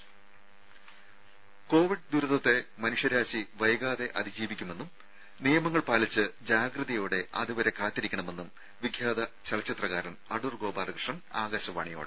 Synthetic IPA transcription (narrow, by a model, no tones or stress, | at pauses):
ko̞ːʋiɖ̚d̪uɾuðɐt̪ːe̞mɐnuʂjɐɾaːɕiʋɐjɐɡaːðe̞ʔɐd̪ʱid͡ʑiːʋikʲːume̞nːum | nijɐmɐŋːɐɭpaːlit͡ɕːɨd͡ʑaːɡrɨðɐjoːɽe̞ʔɐ̰ðuʋɐɾe̞kaːt̪ːiɾikʲːɐɳɐme̞nːum | ʋiɡʱjaːd̪ɐt͡ɕɐɭɐt͡ɕːit̪rɐɣaːɾɐnɐɽurɡo̞ːbaːrɐkrʂɐnaːɡɐɕɐʋa̰ːɳijo̞̰ːɽɨ